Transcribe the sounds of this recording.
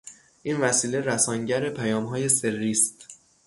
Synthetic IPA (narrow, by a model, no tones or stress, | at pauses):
ʔiːnvæsiːle̞ɾæsɒːŋɟæɾe̞pʰæjɒːmɦɒːje̞se̞rːiːst̪